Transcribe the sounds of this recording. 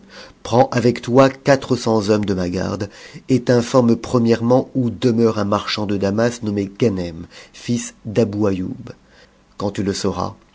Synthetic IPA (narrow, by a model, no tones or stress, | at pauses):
pχɑ̃ʔavɛkt̪wakat̪χəsɑ̃zɔmd̪əmaɡa̰ʁd̪et̪ɛ̃fɔʁmpχəmjɛʁmɑ̃ud̪əmœʁɛ̃maʁʃɑ̃d̪əd̪amasnɔmekanɛmfisd̪abuajṵb | kɑ̃t̪yləsɔʁa̰